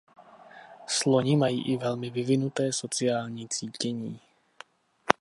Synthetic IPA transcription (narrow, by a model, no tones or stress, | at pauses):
slɔɲimajḭːʔivɛlmivivinut̪ɛːsɔt͡siaːlɲit͡siːcɛɲiː